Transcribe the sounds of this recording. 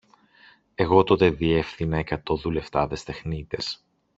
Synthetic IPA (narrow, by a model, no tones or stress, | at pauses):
e̞ɣo̞t̪o̞t̪eðie̞fθinɐekɐt̪o̞ðule̞ft̪ɐðe̞st̪e̞xnit̪es